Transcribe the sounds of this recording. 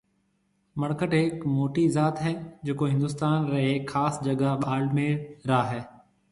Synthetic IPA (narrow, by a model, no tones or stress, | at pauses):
mɐɽkəʈekmoːʈizaːt̪ɦɛːd͡ʑeːkoɦɪ̃nd̪ʊst̪aːnɾɐekxaːsd͡ʒɐɡaɓaːlmẽːɽɾaːɦɛː